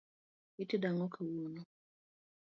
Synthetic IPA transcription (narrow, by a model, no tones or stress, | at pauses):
itidaŋɔkʰawunɔ